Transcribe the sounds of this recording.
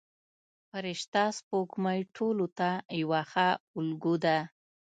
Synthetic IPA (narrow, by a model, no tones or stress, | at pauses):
paɾɪʃt̪ɑspokmajʈʰolot̪ajwaxaʊlɡud̪a